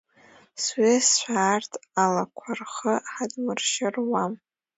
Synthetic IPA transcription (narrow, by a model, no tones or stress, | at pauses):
swesʃʷᶣaːrtʰalakʷʰarχəħadmɨrʃɪrwam